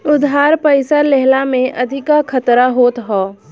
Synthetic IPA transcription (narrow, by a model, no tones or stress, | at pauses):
ʊd̪ɦaːɾpəɪsalɛɦlamẽʔɐd̪ʱɪkakʰət̪ɾaɦoːt̪ɦɔː